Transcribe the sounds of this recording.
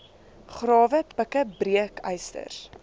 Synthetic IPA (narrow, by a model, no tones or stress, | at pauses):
χrɑːvəbəkəbriəkəjstə̰r